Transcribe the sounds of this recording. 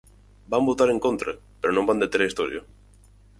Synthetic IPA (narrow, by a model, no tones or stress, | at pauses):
bambot̪aɾeŋkont̪ɾepeɾonomband̪et̪eɾaist̪oɾj̰o